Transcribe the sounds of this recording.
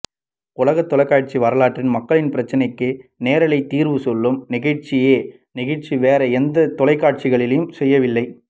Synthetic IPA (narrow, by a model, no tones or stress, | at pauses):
ʊlɐɣɐt̪ːɔlɐɪkːaːʈ̚t͡ʃiʋɐɾɐlaːʈrɪnmɐkːɐɭɪnpɪɾɐt͡ʃːɐnɐɪkːɯneːɾɐlɐɪt̪ːiːɾʋɯsɔlːɯmnɪɣɐɻʈt͡ʃɪjeː | nɪɣɐʈt͡ʃiʋeːɾɐɛnd̪ɐt̪ɔlɐɪkːaːʈ̚t͡ʃɪɣɐɭɪlejɯmsɛjːɐʋɪlːɐɪ